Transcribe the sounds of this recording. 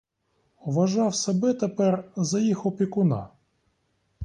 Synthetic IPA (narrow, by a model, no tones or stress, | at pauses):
ʋɐʒɑwsɐbɛt̪epɛrzɐjixɔpʲikʊnɑ̰